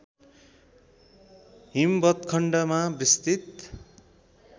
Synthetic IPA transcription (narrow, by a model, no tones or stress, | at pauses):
ɦimbʌt̪kʰʌɳɖʌmabrist̪it̪